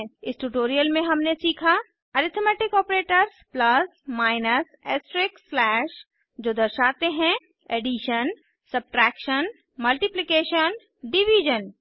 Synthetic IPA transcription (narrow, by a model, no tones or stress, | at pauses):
ɪsʈuʈoːɾijəlmẽɦɐmnesiːkʰa | ɐɾɪt̪ʰmɛːʈɪkɔːpɾeːʈəɾsplɐsmaːɪnəseːsʈɾɪkːlɛːʃ | d͡ʒoːd̪ɐɾʃaːt̪eɦɛ̃ | eɖiʃən | sɐb̚ʈɾɛːkʃən | mɐlʈɪplɪkeːʃən | ɖɪʋiːd͡ʒən